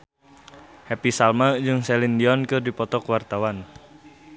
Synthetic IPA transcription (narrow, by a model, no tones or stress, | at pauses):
hɛpisalmad͡ʒɨŋsɛlindiɔnkɨrdipɔt̪ɔkwart̪awan